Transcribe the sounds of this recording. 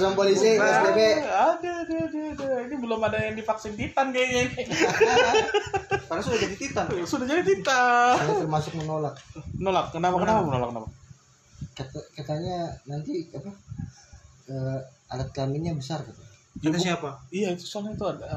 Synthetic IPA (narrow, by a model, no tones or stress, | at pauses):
sampolisiaebeadadadadainibəlʊmadajaŋdipaksint̪it̪anɡajani | karnasudahd͡ʒadit̪it̪ansudad͡ʒadit̪it̪aərmasʊk̚mənolakmənolakːənapakənapamənolakːənapa | kat̪akat̪aɲanant̪iapa | ə | a̰lat̪̚kamiɲabəsarkat̪u | kd͡ʒat̪asiapaijait̪u̥salɲat̪uada